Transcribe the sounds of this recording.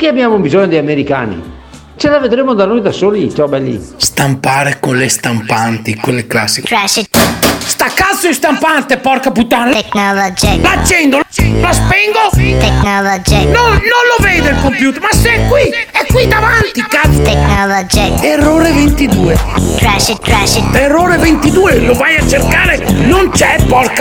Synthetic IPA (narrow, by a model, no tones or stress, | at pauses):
kiabjamobizɔɲːod̪ejameɾika̰ːnḭ | t͡ʃelaved̪ɾemod̪anojd̪asoːlit͡ʃɔbɛlːḭst̪ampaːɾekonlest̪ampant̪ikwelːekla̰sːiksist̪akːat̪sːoist̪ampant̪epɔɾkaput̪ːanleknɔlod͡ʒilat͡ʃːɛnd̪oflaspɛŋɡ̪ot̪eknɔlod͡ʒinononloveːjd̪elkompjuːt̪eɾmaseɛkːwiɛkːwid̪avant̪ikaeknɔlod͡ʒieroːɾevent̪id̪uːetɾaʃiɾaʃieroːɾevent̪id̪uːelovajat͡ʃerkaːɾenont͡ʃɛpːɔrka